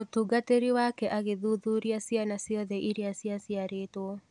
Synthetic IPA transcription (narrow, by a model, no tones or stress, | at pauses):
otuɡateɾiwakɛʔaɣeðuðuɾiasianasɔðɛʔiɾiasiasjaɾeːtwɔ